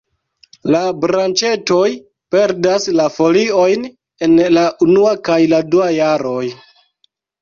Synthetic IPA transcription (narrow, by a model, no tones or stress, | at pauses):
labɾant͡ʃe̞to̞j | pe̞ɾdaslafo̞lio̞jn | e̞nlaʔunuakajladuajaɾo̞j